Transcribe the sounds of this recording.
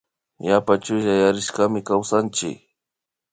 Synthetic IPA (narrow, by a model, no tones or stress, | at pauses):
japat͡ʃʊʎajaɾɪʃkamɪkawsant͡ʃɪ̰k